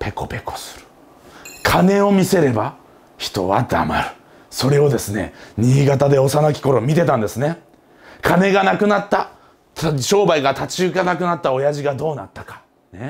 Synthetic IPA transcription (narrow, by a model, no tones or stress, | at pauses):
pe̞ko̞pe̞ko̞̥sɨ̥ɾɯ̟̥ | kʰane̞o̞mʲise̞ɾe̞ba | çi̥t̪o̞̰βa̰d̪a̰ma̰ɾɯ̟̥ | so̞ɾe̞o̞d̪e̞sɨne̞̰ɲ̟iːɡat̪ad̪e̞o̞sanakʲi̥ko̞ɾo̞mʲit̪e̞t̪ãnd̪e̞sɨne̞ | kʰane̞ɡanakɯ̟nat̪ːa | ɕo̞ːbaiɡat̪at͡ɕiɯɡanakɯ̟nat̪ːao̞jaʑiɡad̪o̞ːnat̪ːḁkḁ | ne